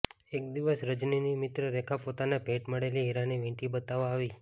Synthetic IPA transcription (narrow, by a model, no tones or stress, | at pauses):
ekd̪iʋəsɾəd͡ʒninimɪt̪ɾəɾɛkʰapot̪anapeʈməɽeliɦiɾaniʋĩʈibət̪aʋaːʋi